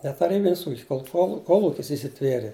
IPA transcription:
nʲɛ tɐˈrʲiːbʲɪnʲɪs ˈuːkʲɪs koːlˠˈxoːlˠ koːlˠˈʊkʲɪs iːsʲɪˈtʲʋʲiɛrʲeː

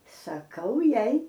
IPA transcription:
sɐˈkɐʊ ˈjɛɪ

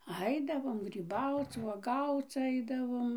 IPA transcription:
ˈɐɪdɐʋoːm ɡrʲiːˈbɐʊt͡s ʋuɔˈɡɐʊt͡s ˈɐɪdɐʋoːm

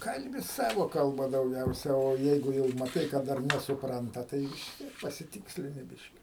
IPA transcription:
ˈkɐlʲbʲɪ ˈsɑːʋoː kɐlˠˈbɐ dɐʊˈɡʲɛʊsʲɛ oː ˈjɛɪɡʊ jɛʊ mɐˈtɐɪ kɐ ˈdɐr nʲɛsʊˈprɐntɐ ˈtɐɪ ʋʲɪs ˈtʲiɛk pɐsʲɪˈtʲɪksʲlʲɪnʲɪ ˈbʲɪʃʲkʲɪ

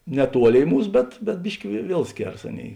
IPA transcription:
nʲɛˈtuɔˌlʲeːɪ ˈmuːs bʲɛt bʲɛt ˈbʲɪʃʲkʲɪ ʋʲiɛ ˈʋʲiɛlˠ ˈsʲkʲeːrɐs ˈɑːˌnʲeːɪ

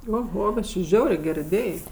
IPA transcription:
oːˈɣoː bʲɛt t͡ʃʲɪ ˈʒʲɛʊrʲeː ˈɡʲɛr ɪˈdʲeːj

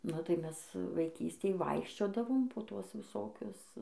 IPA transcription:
nʊ tɐɪ ˈmʲɛs ʋɐɪˈkʲiːsʲtʲeːj ˈʋɐɪkʃʲt͡ʃʲoːdɐʋoːm poː ˈtuɔs ʋʲɪˈsoːkʲʊs

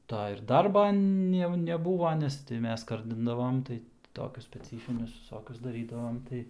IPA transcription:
ˈtɐ ɪr ˈdɐrbɐ jɛʊ nʲɛˈbuːʋɐ ˈnʲɛs tɐɪ ˈmʲɛs ˈskɐrʲdʲɪndɐʋoːm ˈtɐɪ ˈtoːkʲʊs sʲpʲɛˈt͡sʲiːfʲɪnʲʊs ʋʲɪˈsoːkʲʊs dɐˈrʲiːdɐʋoːm ˈtɐɪ

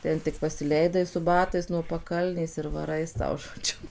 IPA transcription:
ˈtʲɛn tʲɪk pɐsʲɪˈlʲɛɪdɐɪ sʊ ˈbɑːtɐɪs nuɔ pɐˈkɐlʲnʲeːs ɪr ʋɐˈrɐɪ ˈsɐʊ ʒoːˈd͡ʒʲʊ

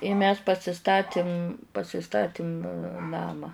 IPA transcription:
ɪ mʲɛs pɐsʲɪˈstɑːtʲɪm pɐsʲɪˈstɑːtʲɪm ˈnɑːmɑː

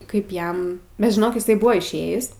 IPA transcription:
ˈkɐɪp ˈjɛm bʲɛt ʒʲɪˈnoːk ɪˈsɐɪ ˈbʊʋoː ɪʃʲˈeːjɪs

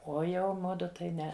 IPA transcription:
ˈoː ˈjɛʊ ˈmʊdʊ tɐɪ ˈnʲɛ

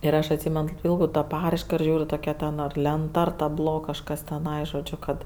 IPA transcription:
ɪr ˈɐʃ ɐtʲˈsʲiːmʲɛn kɐɪp ˈpʲiːlˠdɐʊ tɐ ˈpɑːrɐɪʃkɐ ɪr ˈʒʲuːrʲʊ toːˈkʲɛ tʲɛn lʲɛnˈtɐ ɐr tɐˈblˠoː kɐʃˈkɐs tʲɛˈnɐɪ ʒoːˈd͡ʒʲʊ kɐt

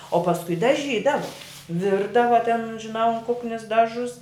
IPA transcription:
oː pɐsˈkʊɪ dɐˈʒʲiːdɐʋoː ˈʋʲɪrdɐʋɐ tʲɛn ʒʲɪˈnɐʊ ɐn ˈkʊknʲɪs ˈdɑːʒʊs

